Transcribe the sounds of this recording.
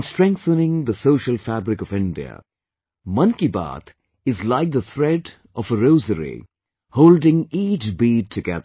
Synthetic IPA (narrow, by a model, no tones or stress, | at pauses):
nstɹɛ̃ŋk̚θənɪ̃ŋd̪əsoʊʃəlˠfæbɾɪkɔvɪ̃nɖḭə̰ | mʌ̃nkiba̰t̪ | ɪzlaɪk̚d̪ət̪ʰɹɛɖ | ʔɔfəɾoʊzəɾḭ | hoʊldɪ̃ŋiːt͡ʃbiːd̚tʰɨɡɛ̰ðə